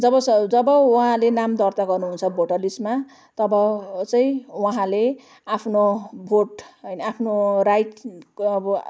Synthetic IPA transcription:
d͡zʌbʌsd͡zʌbʌwuɦãlenamd̪ʌrt̪aɡʌrnuɦunt͡sʰʌbʱoʈʌlisma | t̪ʌbʌt͡sʌĩwʌɦãle | apʰnobʱoʈɦʌjnʌapʰnorajʈːbʌ

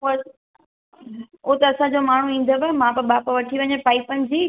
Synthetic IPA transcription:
oɐ | oːt̪ɐːsãd͡ʑoːmaːɳ̤uĩːn̆d̪ʱəʋemãpɐɓaːpʋɐʈʰiʋɐɲepaːɪpənɪ̆d͡ʑiː

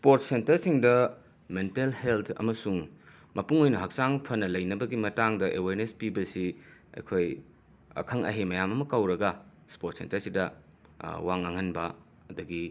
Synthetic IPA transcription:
spoɾt̚sentɐɾsiŋdɐ | mentelheltʰɐ̰mɐsuŋ | mɐpuŋojnɐɦɐk̚saŋpʰɐnɐlɐjnɐbɐɡimɐtaŋdɐʔeweɾnespibɐsiɐ̰jkʰoj | ɐ̰kʰɐŋɐ̰ɦemɐjamɐmɐkɐwɾɐɡɐ | spoɾt̚sḛntɐɾsidɐ | waŋɐŋɐnbɐ | ɐduɡi

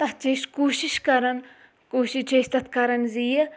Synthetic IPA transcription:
t̪ɐɦt͡ʃeːʃkuːʃiʃkɐɾɐn | koːʃit͡ʃeːst̪ɐt̪kɐɾɐnzijɐ

